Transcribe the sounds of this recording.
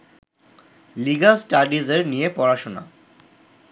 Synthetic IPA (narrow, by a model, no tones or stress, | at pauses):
liɡasʈaɖizeɾnijepɔɾaʃona̰